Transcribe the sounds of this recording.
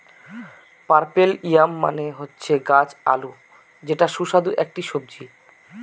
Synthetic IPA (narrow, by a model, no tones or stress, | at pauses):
paɾpelijamːa̰neɦotːɕʰeɡad͡ʑa̰lu | d͡ʑeʈaʃuʃad̪uʔek̚ʈiʃob̚d͡ʑi